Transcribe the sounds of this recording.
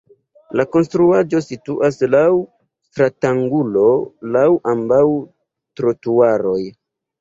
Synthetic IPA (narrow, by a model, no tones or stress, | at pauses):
lako̞nstɾuad͡ʒo̞situʔaslaw | stɾataŋɡulo̞lawʔambaw | tɾotuaɾo̞j